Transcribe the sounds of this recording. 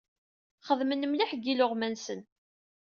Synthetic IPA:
χəðmənəmliħɡiloʁmænsən

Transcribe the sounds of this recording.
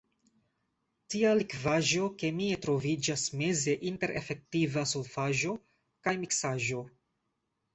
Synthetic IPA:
tialikvaʒo̞ke̞mietɾo̞vid͡ʒasme̞ze̞ʔinte̞ɾʔḛfe̞k̚tivasolfaʒo̞ | kajmiksaʒo̞

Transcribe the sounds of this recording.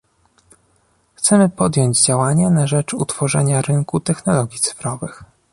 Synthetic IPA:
xt̪sɛmɘpɔd̪jɔɲd͡ʑd͡ʑawaɲanaʐɛt͡ʂṵt̪fɔʐɛ̰ɲaɾɘŋkut̪ɛxnɔlɔɡʲjit̪sɘ̥fɾɔvɘx

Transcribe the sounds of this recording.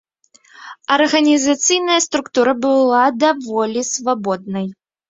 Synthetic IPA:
ɐrɣɐnʲizat̪sɨjnɐjɐst̪ɾukt̪uɾɐbɨlˠad̪avɔlʲisvabɔd̪̚nɐj

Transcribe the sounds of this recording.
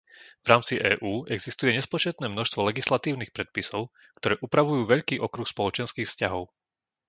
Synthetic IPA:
vɾaːmt͡siʔɛːʔuːɛɡzist̪ujɛɲɛspɔt͡ʃɛt̪̚nɛːmnɔʃst̪ʋɔlɛɡislat̪iːʊnixpɾɛt̪̚pisɔʊ | kt̪ɔɾɛːʔupɾaʋujuːʋɛʎkiːʔɔkɾuxspɔlɔt͡ʃɛnskiːxfscaɦɔʊ

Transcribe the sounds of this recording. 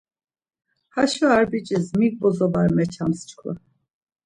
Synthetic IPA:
haʃuaɾbit͡ʃʼizmik̚bɔzɔbaɾmɛt͡ʃʰamst͡ʃʰkʰla̰

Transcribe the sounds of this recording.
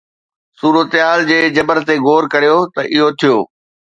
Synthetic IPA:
suːɾət̪ɪaːld͡ʑeːd͡ʑɐbəɾt̪eɡoːɾkɐɾijot̪ɐʔɪɦot̪ʰijoː

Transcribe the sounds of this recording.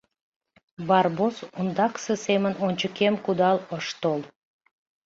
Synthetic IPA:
barbosund̪ɑksɨsemənonʲt͡ʃukʲemkud̪ɑlˠoʃt̪olˠ

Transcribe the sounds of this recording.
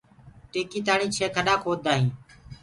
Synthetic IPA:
ʈeːkiːt̪aːɳiːt͡ʃʰeːkʰəɗaːkʰoːd̪aːɦĩː

